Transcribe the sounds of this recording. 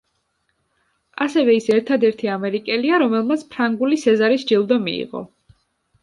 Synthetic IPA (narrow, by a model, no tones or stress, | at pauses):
asɛvɛisɛɾt̪ʰad̪ɛɾt̪ʰiamɛɾikʼɛliaɾɔmɛlˠmat̪sʰpʰɾaŋɡulisɛzaɾisd͡ʒilˠd̪ɔmḭḭʁɔ̰